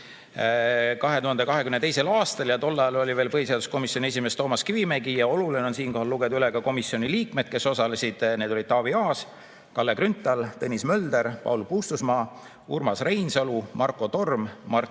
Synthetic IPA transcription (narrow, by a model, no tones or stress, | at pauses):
kɑɦe̞t̪uɦɑnd̪e̞kɑɦe̞kymnet̪e̞jse̞lɑːst̪ɑljɑt̪o̞lːɑjɑlo̞lʲiveːlpɤɦiseɑd̪usko̞misːio̞nʲie̞s̬ʲimest̪o̞ːmɑskivimeɡijɑo̞lulineo̞nsiːnko̞hɑlːuɡ̥e̞d̪ɑyleɡɑko̞misio̞niliːkme̞d̪̚ke̞so̞sɑle̞sʲid̪̥ne̞ːd̪olid̪̥t̪ɑːviɑːs | kɑlːekɾynt̪ːˑɑlt̪ɤnʲismø̞ld̪̥e̞ɾpɑ̰ulpuːst̪usmɑː | urmɑsre̞jnsɑlumʔɑrkːˑo̞t̪o̞rmːɑr